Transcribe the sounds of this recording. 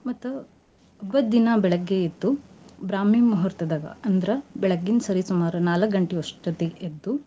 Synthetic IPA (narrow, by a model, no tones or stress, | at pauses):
mɐt̪ːu | ɐbɐd̪ːinɐbɛɭɐɡːeit̪ːubɾaːmeːmuɦɐɾt̪ɐd̪ɐɡɐ̰ɐnd̪ɾɐbɛɭɐɡːinsɐɾisumaːɾunaːlɐkɡɐɳʈeɔʂʈɐt̪eʔed̪ːu